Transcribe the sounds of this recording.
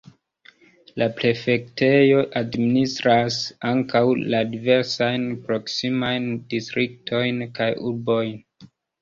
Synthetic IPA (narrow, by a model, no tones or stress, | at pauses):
lapɾe̞fe̞ktʰe̞jo̞ʔadministɾasaŋkawladive̞ɾsajnpɾo̞ksimajndistɾik̚tʰo̞jnkajuɾbo̞jn